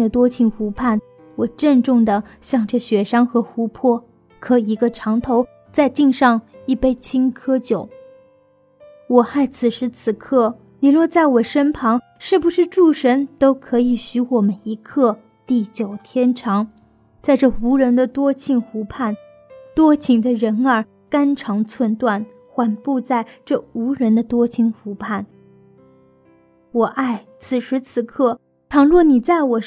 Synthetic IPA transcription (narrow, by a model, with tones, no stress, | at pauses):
ə˨t̪wɔ˥t͡ɕʰi˥˩nxu˧˥pʰa˥˩n | wɔ˨˩ʈ͡ʂə˥˧nʈ͡ʂʊ˥˩ŋd̪ə˩ɕjɑ˥˧ŋʈ͡ʂɤ˥˩ɕɥɛ˧˥ʂɑ˥ŋxɤ˧˥xu˧˥pʰwɔ˥˩ | kʰɤ˧˥i˧˥ɡə˧ʈ͡ʂʰɑ˧˥ŋt̪ʰo˧˥ʊ | t͡sa˥˧ɪt͡ɕi˥˧ŋʂɑ˥˧ŋi˥˩pe˥˩ɪt͡ɕʰi˥nkʰɤ˥t͡ɕjo˨˩˦ʊ | wɔ˨˩xa˥˩ɪt͡sʰɹ̩˨˩ʂɻ̩˧˥t͡sʰɹ̩˨˩kʰɤ˥˩ | ni˨˩lwɔ˥˧t͡sa˥˩ɪwɔ˨˩ʂə˥npʰɑ˧˥ŋ | ʂɻ̩˥˩bu˩ʂɻ̩˥˧ʈ͡ʂu˥˩ʂə˧˥nt̪o˥ʊkʰɤ˧˥i˨˩ɕy˧˥wɔ˨˩mə˦ni˧˥kʰɤ˥˩ | t̪i˥˩t͡ɕjo˨˩ʊt̪ʰjɛ˥nʈ͡ʂʰɑ˧˥ŋ | t͡sa˥˧ɪʈ͡ʂɤ˥˩u˧˥ɻə˧˥nd̪ə˧t̪wɔ˥t͡ɕʰi˥˩ŋfu˧˥pʰa˥˩n | t̪wɔ˥t͡ɕʰi˧˥ŋd̪ə˧ɻə˧˥nə˞˨˩˥ | ka˥nʈ͡ʂʰɑ˧˥ŋt͡sʰwə˥˧nt̪wa˥˩n | xwa˨˩npu˥˧t͡sa˥˧ɪʈ͡ʂɤ˥˩u˧˥ɻə˧˥nd̪ə˧t̪wɔ˥t͡ɕʰi˧˥ŋfu˧˥pʰa˥˩n | wɔ˨˩ʔa˥˩ɪ | t͡sʰɹ̩˨˩ʂɻ̩˧˥t͡sʰɹ̩˨˩kʰɤ˥˩ | ʈ͡ʂʰɑ˧˥ŋlwɔ˥˩ni˨˩t͡sa˥˩ɪwɔ˨˩